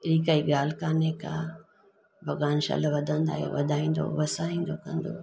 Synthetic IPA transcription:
ɪɾiːkaːiɡaːl̤kaːnekã | bʱɐɡaːnʃɐ̰lʋɐd̪ʱə̃nd̪a̰ːɦḛʋɐ̰d̪ʱaːĩːnd̪o̰ʋɐsaːĩːn̆d̪okɐ̃nd̪o̰ː

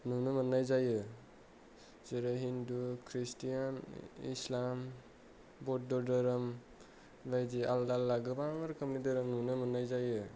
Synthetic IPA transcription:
nunɯmanːajzajɯ | zɯɾaɦindukʰɾistijanḭslam | bɔt̚dɔɾdɯɾɯm | bajdialdalːaɡɯbaŋɯɾkʰɯmnidɯɾɯmnunɯmanajzajɯ

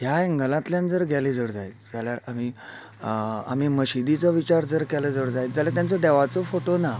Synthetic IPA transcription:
ɦjaeŋɡəlãt̪ljand͡zəɾɡʱɛlid͡zəɽd͡zajt͡sd͡zaljaɾam̤i | a̰miməɕid̪it͡səʋit͡ɕaɾd͡zəɾkɛləd͡zəɽd͡zajd͡zaljaɾt̪jãnt͡səd̪ɛʋat͡səfoʈona

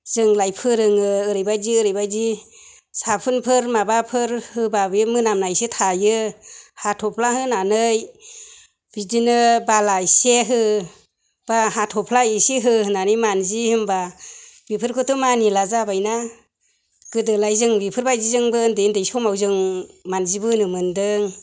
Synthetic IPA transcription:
z̥ɯŋlajpʰɯɾɯŋɯɯɾɯjbajziɯɾɯjbajzi | sapʰɯnpʰɯɾmabapʰɯɾhɯbabimɯnamnajsitʰajɯhatʰɔpʰlahɯnanɯj | b̥idinɯbalajseɦɯ | b̥aɦatʰɔpʰlaisiɦɯɯnanɯjmanzihɯmbabipʰɯɾkʰɯtʰumanilazabajna | ɡ̥ɯdɯlajzɯŋbipʰɯɾbajzizɯŋbɯndɯndɯjsɔmawzɯŋmanzibɯnɯmɯndɯŋ

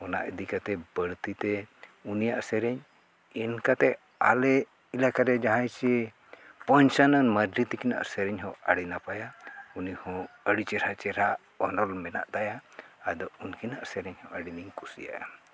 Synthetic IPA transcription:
ɔna̰ʔəd̪ikat̪ɛbəɽt̪it̪ɛunijaʔsɛɾɛɲ | ɛnkat̪ɛ | a̰lɛ | ilakaɾɛd͡ʒaɦãjt͡ʃɛ | pɔɲt͡ʃanənmədɾit̪ikina̰ʔsɛɾɛɲɦɔaɽinapajaunihɔ̃əɽit͡ʃɛɾat͡ʃɛɾa | ɔnɔlmɛna̰ʔd̪ajaːd̪ɔunkinaʔsɛɾɛɲhɔʔəɽiniɲkusija̰ja̰

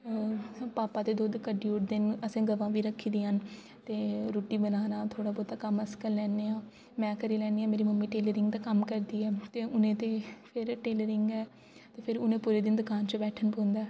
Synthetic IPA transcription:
paːpaːt̪eːd̪oːd̪kəɖiːʊʈʰd̪ɪnəsẽːɡəʋãːʋiːɾəkʰːiːd̪iːɦən | t̪eːɾoːʈiːbənaːnaːt̪ʰoːɽaːbɔːt̪ːaːkəməskəllɛːneːãː | mɛ̃ːkəɾiːlɛːniːaːmeːɾiːməmːiːʈeːləɾɪŋɡd̪aːkəmkəɾd̪iːɛːt̪eːʊnẽːt̪eːpʰɪɾʈeːləɾɪŋɡɛː | t̪eːpʰɪɾʊnẽːpuːɾeːd̪ɪnd̪ʊkaːnt͡ʃəbɛːʈʰənpõːnd̪aː

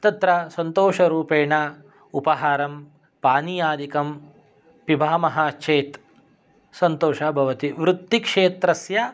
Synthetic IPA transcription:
t̪ɐt̪ɾɐsɐnt̪oːʃɐɾuːpeːɳa | upɐɦaːɾɐm | paːnijaːd̪ikɐm | pibʱaːmɐɦaːt͡ʃʰeːt̪ | sɐnt̪oːʃabʱɐʋɐt̪iʋɾut̪ːikʂeːt̪ɾɐsjɐ

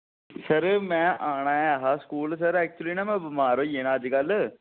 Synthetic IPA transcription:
səɾmɛ̃ːʔaːɽ̃aːɛɦaːskuːlsəɾɛːk̚t͡ʃʊliːnãːmɛ̃ːbəmaːɾõːjeːɽ̃ãːəd͡ʒɡəlː

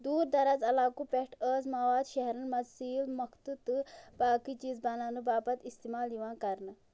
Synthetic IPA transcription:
d̪uːɾd̪ɐɾɐzɐlaːkupeʈʰəːzmɐʋaːd̪ʃɐɦɾɐnmɐzsiːlmɐkʰt̪ɨt̪ɨbaːkit͡ʃiːzbɐnanɨbaːbɐt̪ist̪iːmaːliʋãːnkɐɾnɨ

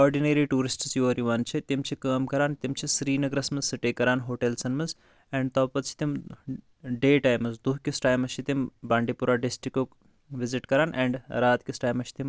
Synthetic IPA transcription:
ɔːɾɖineːɾiːʈuːɾisʈt͡sjoːɾiʋaːnt͡ʃʰit̪imt͡ʃʰikəːmkɐɾaːnt̪imt͡ʃʰisɾiːnɐɡɾɐsmɐnzsiʈeːkːɐɾaːnɦoːʈelsɐnmɐz | ɛ̃ːɳɖ̚t̪ɐbpɐt̪̚t͡ʃʰi̥t̪im | ɖeːʈaːjmɐnzd̪uɦkisʈaːjmɐʃit̪imbaːɳɖipuɾaːɖisʈɾiko | ʋiziʈkɐɾaːnɛ̰ːɳɖɾaːt̪kisʈaːjmɐʃi̥t̪im

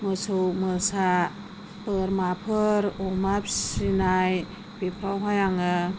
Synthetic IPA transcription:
mɯsowmɯsa | pəɾmapʰɯɾomapsinaj | pepʰɾawɦajaŋɯ

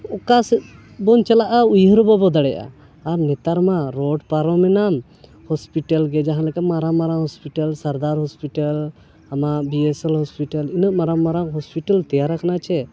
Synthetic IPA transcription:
ɔkasɛt̪̚ | bɔnt͡ʃalaʔaujɦɔɾɔbɔbɔd̪aɽɛjʔa̰ː | ɾnɛt̪aɾmaɾɔɖpaɾɔmɛnam | hɔspiʈalɡɛd͡ʒaɦãnlɛkamaɾamaɾaŋɦɔspiʈəlsaɾd̪aɾɦɔspiʈal | amaʔbiɛsɛlhɔspiʈəlinəʔmaɾamaɾaŋɦɔspiʈalt̪ɛjaɾakanat͡ʃʰɛ

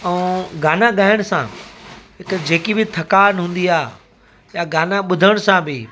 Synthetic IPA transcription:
ɛɡaːnaɠaːɪəɽ̃sã̰ːɦɪkd͡ʑeːkibɪt̪ʰɐkaːnɦũːn̆d̪iaː | jaɡaːnaɓʊd̪ʱəɽ̃ʊsãbʱɪ

